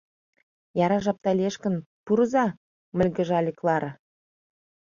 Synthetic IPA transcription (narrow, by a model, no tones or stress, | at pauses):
jɑɾɑʒɑp̚t̪ɑlʲeʃkə̆npuɾzɑ | mə̆lʲɡə̆ʒɑlʲiklˠɑɾə̆